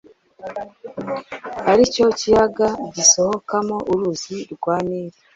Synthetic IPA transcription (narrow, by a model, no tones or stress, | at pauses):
haɾico̞cijaɡaɟisohokamoʔuɾuziɾɡwaːniːɾe